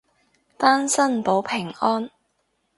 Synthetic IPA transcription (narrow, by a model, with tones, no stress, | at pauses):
t̪aː˥nsɐ˥n˨po˨˥wpʰɪ˨˩ŋɔː˥n